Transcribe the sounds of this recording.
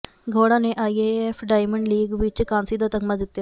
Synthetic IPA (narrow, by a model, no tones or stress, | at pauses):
ɡʱoːɽãːneːʔaːiːeːɛːpʰɖaːɪməɳɖliːɡʋɪt͡ʃkãːnsiːd̪aːt̪əɡmaːd̪ɪt̪ːjaː